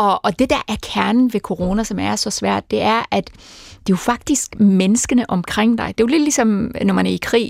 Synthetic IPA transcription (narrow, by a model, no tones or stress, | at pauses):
ɒ̽ɒ̽d̥e̝d̥æɐʔæɐkʰæɐnn̩ʋe̝kʰo̝ʁo̝ːnæsɒ̽mæɐsɒ̽sʋæɐ̰d̥ːe̝æɐʔæd̥d̥ejofɑ̈ɡ̥̚d̥isɡ̥menəsɡ̥ənəʔɒ̽mkʰʁeŋ̰d̥ɑ̈ɪd̥e̝jole̝d̥lisɒ̽mnɒmænæɐikʰʁḭː